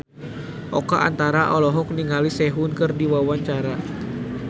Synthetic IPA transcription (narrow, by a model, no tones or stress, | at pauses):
ʔɔka̰ʔa̰nt̪aɾaʔɔlɔɦɔk̚niŋalisɛɦunkɨrdiwawaɲt͡ʃaɾa